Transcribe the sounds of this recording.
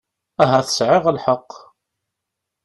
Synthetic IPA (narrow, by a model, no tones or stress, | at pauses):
æɦæθə̥sʕɪʁəlħɑqː